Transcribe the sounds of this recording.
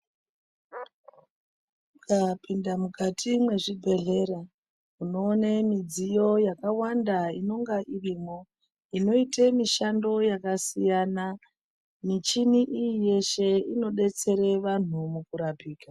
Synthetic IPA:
kapindamukatʰimwe̞ʐibʱe̞ɮe̞ɾa | uno̞ːnemid͡zijo̞jakawandaino̞ŋɡaʔiriːmo̞ | ino̞itemiʃando̞jakasijana | mit͡ʃiniʔijije̞ʃe̞ino̞ɗe̞t͡se̞ɾe̞ʋan̤umukuɾapiːka

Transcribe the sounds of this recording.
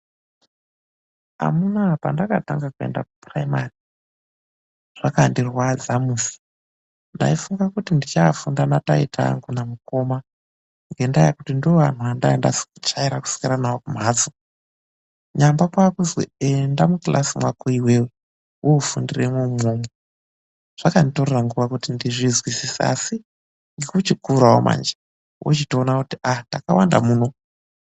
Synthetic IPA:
a̰munapandakataŋɡakue̞̰nda̰ku̥praimari | ʐ̥akandirwad͡zamuːsi̥ | nda̰ifuŋɡakutindit͡ʃafundanata̰itʰa̰ŋɡunamuko̞ma | ŋɡe̞ndajakutindioʋan̤uʋandaenda̰si̥kut͡ʃaiɾaku̥si̥kiɾanaokum̤aːt͡su | ɲambakwakuzwḛendamuklʔasimwakoiwe̞we | wʔoufundiremwemome | ʐ̥akanto̞reraŋɡuʋakutindiʐizwisisa̰si | ŋɡekut͡ʃikuɾawo̰mʔa̰nd͡ʒḁ | wʔo̰t͡ʃitoːnakutiatakawanda̰muːno̞

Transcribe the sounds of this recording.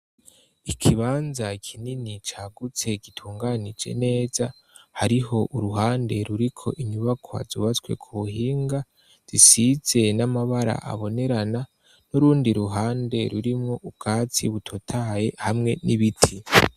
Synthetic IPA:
ikʰiβaːnzakʰininit͡ʃaːɡut͡se̞ɡitʰuːŋɡanid͡ʒe̞̰ne̞ːz̥a | haɾiɦo̞ʔuɾuɦaːnde̞ɾuɾikʰo̞̰ʔiɲuβakʰoha̰zuβat͡swe̞̰kʰuβuɦiːŋɡa | z̥isize̞namaβaɾa̰ʔa̰βo̞ne̞ɾana | nuɾuːndiɾuɦaːnde̞ɾuɾimŋo̞ʔub̚ɡ̥aːt͡sḭβutʰotʰaje̞hamŋe̞niβitʰi

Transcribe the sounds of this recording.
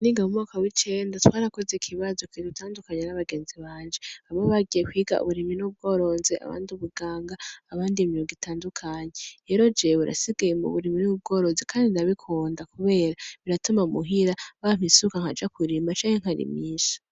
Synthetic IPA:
niːŋɡamumŋaːkawit͡ʃe̞ːndatwaːɾako̞zekʰiβazo̞kidutaːndukaɲenaβaɡe̞ːnziβaːnd͡ʒeaβoβaɡijekwiːɡa̰ṵβuɾiminub̚ɡo̞ɾo̞nzeʔa̰βa̰ːndiβuɡaːŋɡaːβaːndimioŋɡitaːndukʰaɲeɾe̞ːɾo̞d͡ʒeβuɾa̰siɡajemṵβuɾiminub̚ɡo̞ːɾo̞nzekʰaːndinaβikʰuːndakuβe̞ːɾaβiɾatumamuɦiɾaβam̥hisukaŋ̥had͡ʒakuɾimat͡ʃaːŋheŋ̥haɾḭmiːʃo̥

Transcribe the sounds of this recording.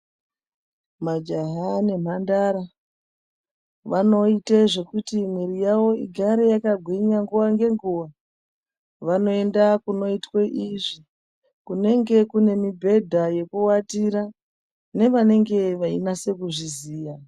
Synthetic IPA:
mad͡ʒaɦane̞m̤andaɾa | ʋano̞iteʐe̞kutimweɾijaʋo̞iɡʱaɾe̞jakaɡʱwiɲaŋɡuʋaŋɡe̞ŋɡuʋa | ʋano̞e̞ndakuno̞itweʔiʐi | kune̞ŋɡe̞kune̞mibʱe̞dʱaje̞kuwatiɾa | ne̞ʋane̞ŋɡe̞ʋainase̞kuʐiziːja

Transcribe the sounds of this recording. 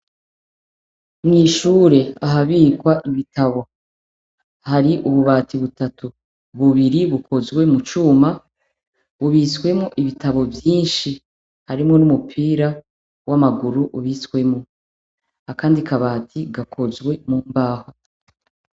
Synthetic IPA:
mŋiːʃuːɾe̞aɦaβiːkwaʔiβitaβo̞ | haɾiʔuβuβaːtiβutatu | βuβiɾiβukʰo̞zɡwe̞mut͡ʃuːma | βuβiːswe̞mŋoʔiβitaβo̞vjiːnʃi | haɾimŋo̞numupʰiːɾa | wamaɡuɾuʔuβiːskwe̞mŋo | akaːndikʰaβaːtʰiɡakʰo̞zɡwe̞muːmbaːho

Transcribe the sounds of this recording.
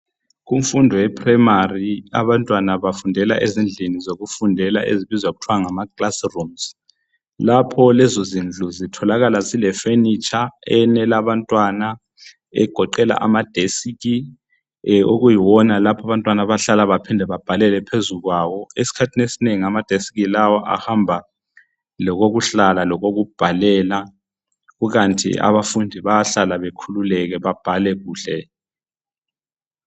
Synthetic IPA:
ɣuɱfundʱɔjɛpʰrɛjmaria̰βantʼwanaβafundʱɛla̰ʔezind͡ɮʱinizoɣufundʱɛla̰ʔḛziβizwaɣutʰwaŋamakʼlasrumz | lapʰɔlɛzozind͡ɮʱuzitʰɔlaɣalazilɛfenit͡ʃʼaɛnɛlaβantʼwana | ɛ̰ɡ̥ʱɔǃɛla̰ʔa̰mad̥ʱesik̬i | oɣujiwɔnalapʰaβantʼwanaβaɬalaβapʰindʱɛβab̥ʱalɛlɛpʰezuɣwawɔesi̥kʰatʰinesineŋiamad̥ʱesi̥ɣilawɔʔa̰hambʱa | lɔɣoɣuɬalalɔɣoɣub̥ʱalɛːla | ɣuɣantʼʰḭa̰βafundʱiβaaɬalaβekʰululɛɣɛβab̥ʱalɛɣuːɬɛ

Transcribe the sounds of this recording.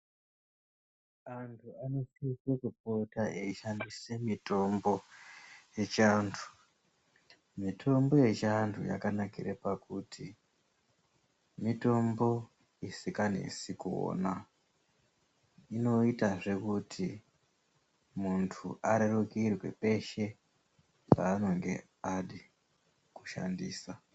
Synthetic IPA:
antʰuano̞sisekup̚otaʔeiʃandisemito̞mbo̞ | je̞t͡ʃaːntʰu̥ | mitʰo̞mbo̞je̞t͡ʃantʰṵja̰kanakirepakuti | mito̞mbo̞ | isikane̞̰sikuo̰ːna | ino̞itaʐe̞kutʰi | muntʰuʔaɾerukirwe̞̰pe̞ʃe̞ | paːno̞ŋɡe̞̰ | aɗi | ku̥ʃa̰ndḭːsa

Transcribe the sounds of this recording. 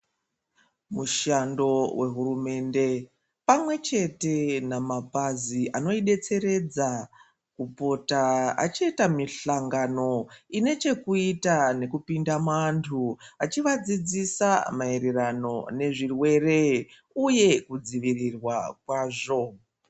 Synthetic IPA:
muʃando̞wʔe̞ɦuɾume̞ːnde̞ | pamwe̞t͡ʃe̞te̞namapaziʔano̞iɗe̞t͡se̞ɾe̞d͡za | kupo̞taa̰t͡ʃiitamiɬaŋɡano̞ine̞t͡ʃe̞kuitane̞kupindamantʰuat͡ʃiʋad͡zid͡zisamaeɾerano̞ne̞ʐirwe̞re̞ | uje̞kud͡ziʋirirwakwaːʐo̞

